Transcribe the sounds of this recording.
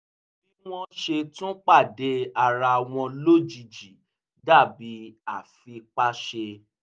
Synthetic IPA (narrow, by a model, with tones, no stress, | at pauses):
bi˦w̃ɔ̃˦ʃe˧tũ˦k͡pa˦˨de˧˦a˧˨ɾa˧w̃ɔ̃˧lo˦˨d͡ʒi˧˨d͡ʒi˨ | da˦˨bi˧˦a˦˨fi˧k͡pa˦ʃe˧